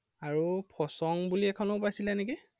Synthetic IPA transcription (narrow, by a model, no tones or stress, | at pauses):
aɹupʰɔsɔŋbuliɛkʰɔnopajsilɛneki